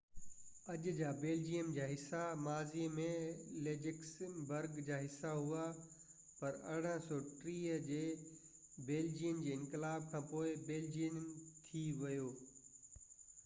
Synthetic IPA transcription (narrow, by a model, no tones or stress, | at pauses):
ɐʄd͡ʑaːbeːld͡ʑijəmd͡ʑaːɦɪsamaːziːmẽleːd͡ʑɪksbɐɾɡd͡ʑaːɦɪsːaɦua | pɐɾɐ̰ɽ̤ə̃sɔːʈɾiːɦəd͡ʑeː | beːld͡ʑijənd͡ʑeːɪ̃nkɪlaːb̚kʰãːpoːɪbeːld͡ʑijənt̪ʰiʋɐjoː